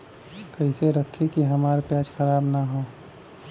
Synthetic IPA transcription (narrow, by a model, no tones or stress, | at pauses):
kəiseɾəkʰːikiɦəmaːɾpjaːd͡ʒxʰəɾaːbnaɦoː